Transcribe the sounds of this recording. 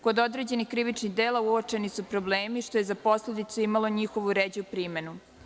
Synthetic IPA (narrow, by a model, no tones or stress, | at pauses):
ko̞d̪o̞d̪ɾed͡ʑe̞nixkɾiʋit͡ʃniɣd̪eːlauot͡ʂe̞nisupɾo̞bleːmiʃt̪o̞je̞zapo̞sle̞d̪it̪suimalˠo̞ɲixo̞ʋuɾeːd͡ʑuupɾime̞nu